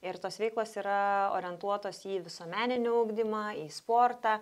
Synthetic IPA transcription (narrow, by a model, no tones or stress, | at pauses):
ɪɾt̪oːsʋʲɛɪklˠoːsiːɾɐo̰ːɾʲɪɛnt̪uɔt̪oːsiːʋʲɪsuɔmʲæːnʲɪnʲʊɐʊɡd̪ʲɪmɑːiːspoːɾt̪ɑː